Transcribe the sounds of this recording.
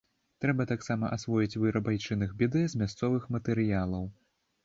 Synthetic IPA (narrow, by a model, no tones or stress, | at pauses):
t̪ɾɛbɐt̪aksamɐʔasvɔjit͡sʲvɨɾɐbajt͡ʂɨnɨxbʲɛd̪ɨzʲmʲast̪sɔvɨxmɐt̪ɛɾɨjalˠɐw